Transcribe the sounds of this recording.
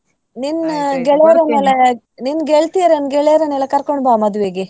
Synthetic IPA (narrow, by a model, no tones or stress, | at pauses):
ninɡɛɭɐɾɐneːle | ninɡeɭt̪ijɐɾenɡɛɭejɐɾɐneːlekɐɾkoɳɖbaːmɐd̪uʋeːɡi